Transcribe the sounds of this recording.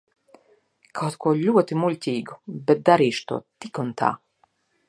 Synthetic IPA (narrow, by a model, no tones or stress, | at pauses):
kʰawt̪kuɔlʲuɔt̪imulʲtʲiːɡubɛt̪̚d̪aɾiːʃt̪ṵɔt̪ikunt̪ʰa̰ː